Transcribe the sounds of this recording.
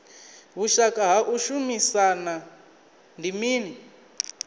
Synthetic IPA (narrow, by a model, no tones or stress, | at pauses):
βuʃakʼaɦaʔuʃumisana | ndimiːni